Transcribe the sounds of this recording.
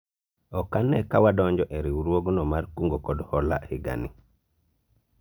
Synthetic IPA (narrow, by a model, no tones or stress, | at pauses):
ɔkanːɛkawadɔɲd͡ʒɔʔɛɾiwuɾwoɡnɔmaɾkuŋɡɔkɔdhɔla̰hiɡa̰ni